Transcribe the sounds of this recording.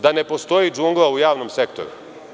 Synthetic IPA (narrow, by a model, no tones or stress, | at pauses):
d̪anepo̞st̪o̞jiːd͡ʒuŋɡlˠaujaːʋno̞mse̞kt̪oɾṵ